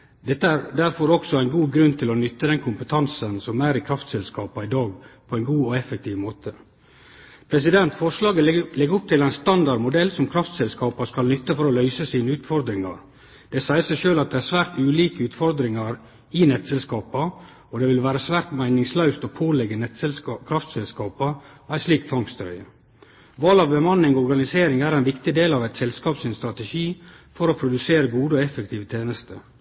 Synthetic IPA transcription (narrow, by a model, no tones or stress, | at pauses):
d̪ɛt̪ːəæɾd̪æɾfɔɾɔksɔæɪnɡuːɡɾʉnːt̪ʰɪlɔnʏt̪ːəd̪ɛnkʰʊmpət̪ʰɑnsənsɔmæːɾɪkʰɾɑft̪sɛlskɑːpɑɪd̪ɑːɡpʰɔɛɪnɡuːɔɛfək̚t̪ʰiːʋmoːt̪ʰə | pʰɾɛsɪd̪ɛnt̪fɔʂlɑːɡəlɛɡəʊp̚t̪ʰɪlæɪnst̪ɑnd̪ɑɾmʊd̪ɛlsɔmkʰɾɑft̪sɛlskɑːpɑskɑlnʏt̪ːəfɔɾɔlœʏsəsiːnəʉːt̪fɔɾd̪ɾɪŋɑ̰ɾ | d̪̥ɛsæɪəsæɪʃøːlɑt̪̚d̪ɛæːsʋæːɾt̪ʉːliːkəʉːt̪fɔɾd̪ɾɪŋɑɾ | ɪnɛt̪sɛlskɑːpɑ | ɔd̪ɛʋɪlʋæːɾəsʋæːɾt̪mæɪnɪŋslœʉst̪ɔpʰoːlɛɡːəɛt̪kʰɾɑft̪sɛlskɑːpɑ | æɪsliːkt̪ʰʋɑŋkst̪ɾœ̰ʏə̰ | ʋɑlɑʋbəmɑnːɪŋɔɔɾɡɑnɪseːɾɪŋæɾæɪnʋɪkt̪ɪd̪eːlɑʋæɪt̪sɛlskɑːpsɪnst̪ɾɑt̪ɛʃiː | fɔɾɔpʰɾʊd̪ʉseːɾəɡuːd̪əɔɛfək̚t̪ʰiːʋət̪ʰeːnəst̪ʰə̰